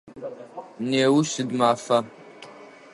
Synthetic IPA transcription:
neːwusɨdmafɐ

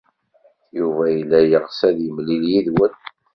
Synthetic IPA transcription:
juvæjəlːæjəʁsæðjəmliljiðwən

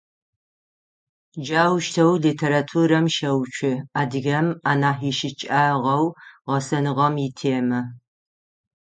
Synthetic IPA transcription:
d͡ʒaːwʃtʰɐwlitʰeːɾatʰuːɾɐmʃɐwt͡ʃʷʰɪaːdɨɣɐmaːnaːħiʃɪt͡ʃʼaːʁɐwʁɐsɐnɨʁɐmjitʰeːmɐ

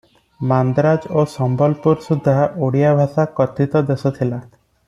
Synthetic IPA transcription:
mand̪ɾad͡ʒosɔmbɔlpuɾsud̪ʱːaʔoɽijabʱasakɔt̪it̪ɔd̪esɔt̪ʰila

